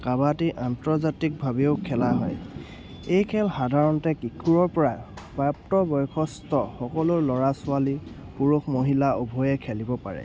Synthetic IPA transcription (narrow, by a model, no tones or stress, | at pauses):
kabatiʔantɹɔzatik̚bʱabioʊkʰɛlaɦɔ̰j | ejkʰɛlxadʱaɹɔntɛkikʰuɹɔɹpɔɹapap̚tɔbɔjkʰɔstɔxɔkɔlʊɹlɔɹasʊali | puɹuxʰmoɦilaobʱɔjɛkʰɛlibɔpa̰ɹɛ̰